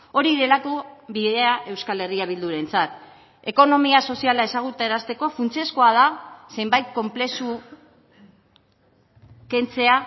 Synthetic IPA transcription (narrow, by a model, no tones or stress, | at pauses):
o̞ɾiðe̞lako̞βiðe̞aʔe̞wskale̞riaβ̞ild̪uɾe̞nt͡sat̪ | e̞ko̞no̞miaso̞sialae̞saɣ̞ut̪ae̞ɾast̪e̞ko̞funt͡siesko̞að̞ase̞jmbajt̪̚ko̞mple̞su | ke̞nt͡se̞a